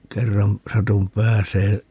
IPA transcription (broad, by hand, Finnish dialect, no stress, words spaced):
kerːɑm sɑtum pæːseː